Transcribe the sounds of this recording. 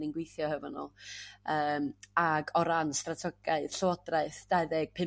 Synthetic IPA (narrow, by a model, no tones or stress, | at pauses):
nɪnɡwejθjɔhəvɔnɔ̰lˠəːmaɡɔɾanstratʰɔɡ̥aɨð̥ɬɔɔdraɨθd̥aðɛɡ̥̚pʰɪ